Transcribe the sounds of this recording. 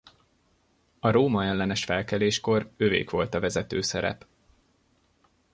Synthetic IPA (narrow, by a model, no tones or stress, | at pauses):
ɒɾoːmɒɛlːɛnɛʃfɛlkɛleːʃko̞røːvḛːkʋo̞lt̪ɒvɛzɛt̪øːsɛɾɛ̰p